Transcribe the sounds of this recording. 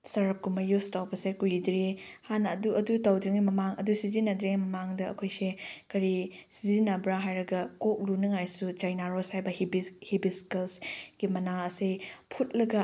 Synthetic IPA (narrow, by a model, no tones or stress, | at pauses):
sɐɾɐp̚kumɐjustawbɐsekujidɾi | hanɐːduɐdutɐwdɾiŋɡimɐmaŋɐ̰dusizinːɐdɾemɐmaŋdɐɐ̰kʰojsekɐɾi | sizinɐbɾaɦajɾɐɡɐkok̚lunɐŋajsut͡ʃajnaɾoshajbɐhibihibiskelsɡ̥imɐnaɐsepʰut̚lɐɡɐ